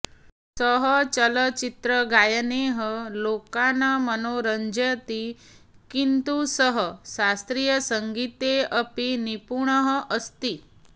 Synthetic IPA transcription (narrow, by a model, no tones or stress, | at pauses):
səɦət͡ɕələt͡ɕit̪ɾəɡʱajəneɦəlokanamənoɾəɲd͡ʑət̪i | kint̪usəɦəsast̪ɾijəsəŋɡit̪eəpinipuɳəɦəʔəst̪i